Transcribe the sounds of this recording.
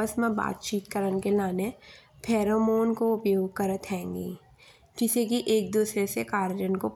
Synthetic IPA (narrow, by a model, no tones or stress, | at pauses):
əsmẽba̰ːt̪̚t͡ʃiːt̪̚kəɾənkelaːnepʰɛːɾomoːnkoʊpjoːɡ̚kəɾət̪ɦɛ̃ːŋɡḭː | d͡ʒɪsekiʔeːk̚d̪uːsɾesekaːɾd͡ʒənkop